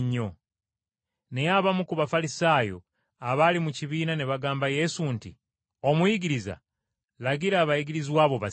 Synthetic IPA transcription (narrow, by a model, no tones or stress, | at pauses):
ɲːo | nejaβamukuβafalisaːjo̞̰ | aβalimuciβiːnaneβaɡaːmbaje̞suntḭ | o̞muiɡiɾiza̰ | laɡiɾaːβaiɡiɾizwaːβo̞βa